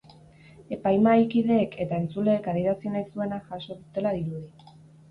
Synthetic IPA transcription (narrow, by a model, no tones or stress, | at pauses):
e̞pajmajkiðe̞ːkʰe̞t̪ae̞nt͡sule̞ːkaðiɾasinajsue̞naʝaso̞ðut̪e̞laðiɾuði